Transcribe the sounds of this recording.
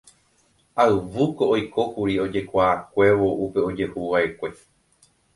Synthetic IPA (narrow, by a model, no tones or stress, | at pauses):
aɨʋuko̞ʔːjko̞kuɾio̞d͡ʒe̞kʷaːkʷe̞ʋo̞ʔupe̞o̞d͡ʒe̞huʋae̞kʷe̞